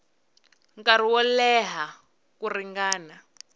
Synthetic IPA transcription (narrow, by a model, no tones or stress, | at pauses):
ŋkaɾ̤iwɔlɛɦa | kuriŋɡaːna